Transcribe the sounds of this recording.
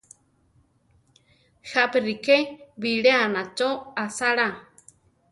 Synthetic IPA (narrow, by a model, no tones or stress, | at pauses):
haperikeβiɺeanãt͡ʃoasaɺa